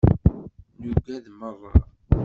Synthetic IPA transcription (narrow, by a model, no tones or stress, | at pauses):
nuɡæðmərˤːɑɾ